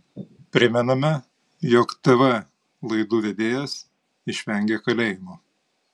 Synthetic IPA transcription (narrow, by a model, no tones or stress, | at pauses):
pʲɾʲɪmʲɛnɐmʲɛ | joːkt̪ɛʋɛ | lˠɐɪd̪uːʋʲed̪ʲeːjɛs | ɪʃʲʋʲɛŋʲɡʲeːkɐlʲeːjɪmo